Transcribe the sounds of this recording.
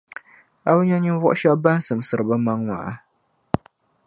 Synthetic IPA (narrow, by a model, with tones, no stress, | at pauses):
a˦bɲa˦ɲɨ˦vɔ̰˦ʔʃa˦ba˦n˦sɨ˨m˨sɨ˨ɾɨ˨ba˦ma˦ŋwa̰˨a˦